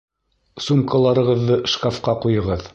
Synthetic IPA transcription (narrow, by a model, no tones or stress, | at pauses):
sumkalˠɑɾɤ̆ʁɤ̆ðːɤʃkafqɑqujɤ̆ʁɤð